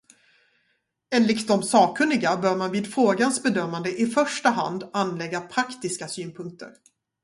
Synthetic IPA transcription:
ɛnlɪkt̪ɔmsɑːkʰɵnːɪɡabœːɾmanviːd̪fɾoːɡansbɛd̪œmːand̪əʔɪfœʂʈaɦa̰nd̪anːlɛɡːapʰɾakt̪ɪskasyːnpʰɵŋk̚t̪ʰə̰ɾ

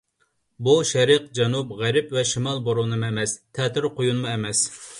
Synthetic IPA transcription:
buʃɛɾɨq̚d͡ʒɛnupʁæɾɪpvɛʃimɑlˠboɾonɨmuɛmɛst̪ʰɛːt̪ʰɪɾqʰojunɨmuɛmɛs

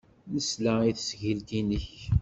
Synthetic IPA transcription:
nəslæiθsʝilkinəç

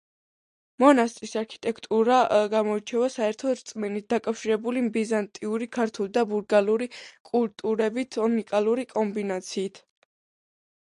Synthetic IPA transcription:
mɔnast̪ʼisaɾkʰi̥t̪ʼɛkʰt̪ʼuɾaɡamɔit͡ʃʰɛvasaɛɾt̪ʰɔɾt̪sʼminit̪̚d̪akʼafʃiɾɛbulimbizant̪ʼiuɾikʰaɾt̪ʰulˠd̪abuɾɡaluɾikʼult̪ʼuɾɛbit̪ʰɔnikʼalˠuɾikʼɔmbinat̪sʰiːt̪ʰ

